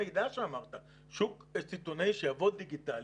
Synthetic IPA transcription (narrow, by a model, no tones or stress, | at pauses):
ejd̪aʃeamaʁt̪a | ʃukest͡sit̪onejʃejavo̞d̪̚d̪iɡit̪al